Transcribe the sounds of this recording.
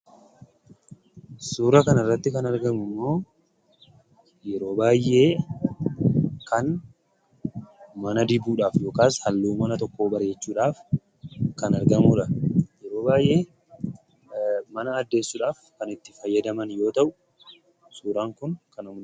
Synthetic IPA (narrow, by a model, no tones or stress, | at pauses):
suːɾɐkɐnɐrːɐt̪ːɪkɐnɐɾɡɐmʊmːo̞ː | jɛɾo̞ːbaːjʔe̞ː | kɐn | mɐnɐd̪ɪbuːᶑaːfjo̞ːkaːshɐlːuːmɐnɐt̪ɔkːo̞ːbɐɾe̞ːt͡ʃːuːᶑaːf | kɐnɐɾɡɐmʊᶑɐjɛɾo̞ːbaːjʔe̞ː | mɐnɐːd̪ːe̞ːsːuːᶑaːfkɐnɪt̪ːɪfɐjːɐd̪ɐmɐnjo̞ːt̪ɐʔʊ | suːɾaːŋkʊnkɐnʊm